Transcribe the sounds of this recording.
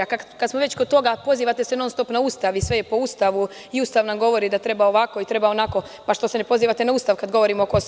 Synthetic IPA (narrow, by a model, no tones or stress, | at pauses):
akakad̪smoʋe̞t͡ɕkod̪̚t̪o̞ɡapo̞ziːʋat̪esenoːnst̪o̞pnaust̪aʋisʋe̞jepo̞uːst̪aʋu | iuːst̪aʋnamɡo̞ʋo̞ɾid̪at̪ɾe̞baoʋako̞it̪ɾe̞bao̞nako̞ | paʃt̪o̞senepo̞ziːʋat̪enauːst̪aʋkad̪ɡo̞ʋo̞ɾimokos